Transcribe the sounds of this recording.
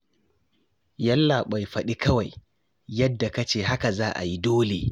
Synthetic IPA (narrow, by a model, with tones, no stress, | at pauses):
jɐ˦lːa˨ɓa˨jɸɐ˨ɗi˦kʰɐ˦wa˨j | jɐ˦dːa˨ka˦t͡ʃeː˦˨ɦa˦ka˨zaː˦ʔa̰˨ji˦doː˦lḛ˨